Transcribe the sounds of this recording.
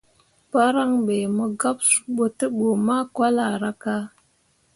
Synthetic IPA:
pa˦ɾa˦ŋɓe˨mə˨ɡa˦psu̥˨ɓo˦tə˦ɓo˨ma˦kwa˦la˨ɾa˦ka˦

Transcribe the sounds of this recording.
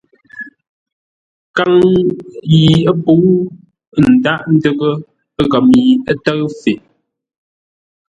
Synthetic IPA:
ka˦ŋ | ji˨ə˦pu˨˦w | n̩˨da˦ʔn̩˦də˦ɣə˦ | ə˦ɣa˨mi˨ə˦tə˦ɰfe˨

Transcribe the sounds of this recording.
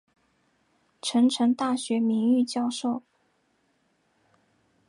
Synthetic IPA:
ʈ͡ʂʰɤ˧˥ŋʈ͡ʂʰɤ˧˥ŋt̪a˥˩ɕɥɛ˧˥mi˧˥ŋy˥˩˧t͡ɕjɑ˥˧ʊʂo˥˩ʊ

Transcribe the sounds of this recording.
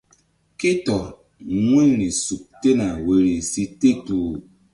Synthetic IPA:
ki˦tɔ˨ | ŋʷe˦ni˨su˨k̚te˦na˨we˨ɾi˨si˦te˦tu˨

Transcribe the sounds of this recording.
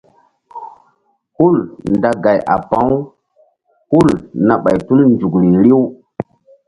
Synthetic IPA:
hu˦lnda˨ɡa˨jʔa̰˨pa˦w | hu˦lna˨ɓa˨jtu˦lnd͡ʒu˨kɾi˨ɾi˦w

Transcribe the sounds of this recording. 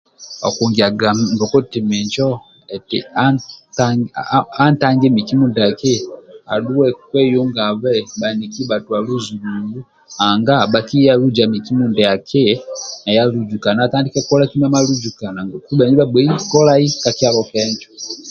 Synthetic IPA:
ɔ̰˨ku˨ŋɡi˨a˨ɡa˨ŋɡɔ˨kɔ˦ti˨mi˨ɲt͡ʃɔ˦ | ɛ˨tḭ˨a˦ta | a˦nta˦ŋɡɛ˦mi˨ki˦mu˦ndɛ˨a˨ki˦a̰˨lu˦wɛ˦kwɛ˦ju˦ŋɡa˨βɛ˦ɓa˨ni˨ki˦ba˨tu˨a˨lu˦zu˨lu˨ŋɡu˦ | a˨ŋɡa˦ɓa˨ki˦ja˦lu˦d͡ʒa˨mi˨ki˦mu˦ndɛ˨ja˨kʰi˦na˨ja˦lu˦d͡ʒu˨ka˨na˨ta˦ndi˦kɛ˦kɔ˦la˦ki˦ma˦ma˦lu˦d͡ʒu˨ka˨na˨ŋɡɔ˨ku˦ɓɛ˨ni˦ba˦ɓwɛ˨i˦kɔ˦la˦i˦ka˨ki˦a˦lɔ˨kɛ˦ɲd͡ʒɔ

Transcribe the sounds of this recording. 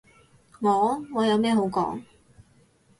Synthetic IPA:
ŋɔː˨˥ŋɔː˨˧jɐ˨˧wmɛː˥˧ɦo˨˥wkɔ̰ː˨˥ŋ

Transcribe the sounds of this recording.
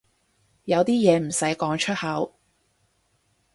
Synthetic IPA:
jɐ˨˧wt̪iː˥jɛː˨˧m̩˨˩sɐ˨˥jkɔː˨˥ŋt͡ʃʰɵ˥t̚hɐ˨˥w

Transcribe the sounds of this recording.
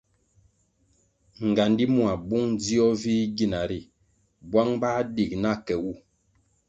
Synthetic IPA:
ŋ˨ɡa˨ndi˦mu˦a˨bu˦ŋd͡zi˦ɔ˦vi˦ɡi˦˨na˨ɾi˦˨ | bwa˦ŋba˦di˨k̚na˦kɛ˨wu˦˨

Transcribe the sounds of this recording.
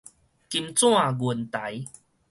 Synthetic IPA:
ki˧mt͡sw̃ã˥˨ɡu˨˩nt̪a˨˦j

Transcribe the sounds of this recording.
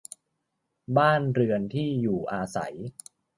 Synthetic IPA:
baː˥˩nɾɯ˧ənt̪ʰiː˥˩juː˨˩ʔaː˧sa̰˩˦j

